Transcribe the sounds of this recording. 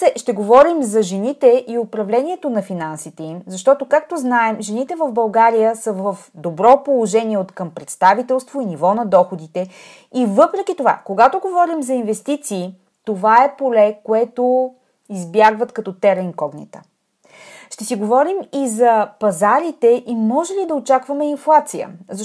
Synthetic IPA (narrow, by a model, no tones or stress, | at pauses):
ɛʃt̪ɛɡovɔɾimzɐʒɛnit̪ɛʔiopɾɐvlɛniɛt̪onɐfinansit̪ɛimzɐʃt̪ɔt̪okak̚t̪oznaɛmʒɛnit̪ɛvəvbɐlˠɡaɾijəsəvəfd̪obɾɔpolˠoʒɛniɛot̪kəmpɾɛt̪st̪avit̪ɛlˠst̪voinivɔnɐd̪ɔxod̪it̪ɛ | ivɤpɾɛk̟it̪ova̰koɡat̪oɡovɔɾimzɐinvɛst̪it̪siː | t̪ovaɛpolɛkoɛt̪o | izbʲjaɡvət̪kɐt̪ɔt̪ɛɾɛnkɔɡnɛ̰t̪ə̥̰ | ʃt̪ɛsiɡovɔɾimizɐpɐzaɾit̪ɛʔimɔʒɛlid̪ɐot͡ʃakvɐmɛinflˠat̪sijə̰zɐ